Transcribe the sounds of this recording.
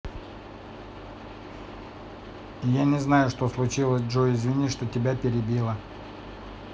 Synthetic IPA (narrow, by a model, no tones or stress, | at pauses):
janʲɪznajʊʂt̪oslˠʊt͡ɕilˠəsʲʐoɪzʲvʲinʲiʂt̪otʲɪbʲapʲɪɾʲɪbʲilˠə